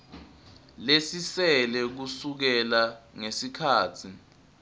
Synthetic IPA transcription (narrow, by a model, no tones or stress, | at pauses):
lesisɛlɛk̬usuk̬ɛlaŋesikʰaːtʰi